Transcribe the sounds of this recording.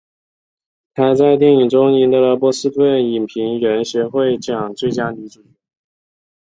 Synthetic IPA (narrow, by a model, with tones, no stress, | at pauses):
t̪ʰa˥t͡sa˥˧ɪt̪̬ji˥˩ŋi˨˩ŋʈ͡ʂʊ˥ŋi˧˥nd̪ə˧ə˧˥pwɔ˧˥sɹ̩˥t̪wə˥˩ni˨˩npʰi˧˥ŋɥɛ˧˥nɕɥɛ˧˥xwe˥˩ɪt͡ɕjɑ˨˩ŋt͡swe˥˩ɪt͡ɕja˥ni˧˥ʈ͡ʂu˨˩˥